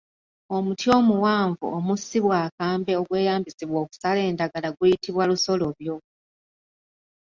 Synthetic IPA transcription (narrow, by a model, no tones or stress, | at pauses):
o̞mutjo̞ːmuwaːɱvṵomusiβwaːkaːmbe̞o̞ɡwe̞ːjaːmbisiβwo̞ːku̥sale̞ːndaɡalaɡwujitiβwaluso̞lo̞βjo̞